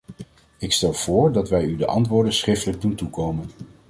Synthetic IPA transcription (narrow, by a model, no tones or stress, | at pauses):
ɪkstɛlˠv̥ʊːɹdɑtʋɛjydəʔɑ̰ntʋʊːɹdənsχrɪftələɡ̚duntukowmən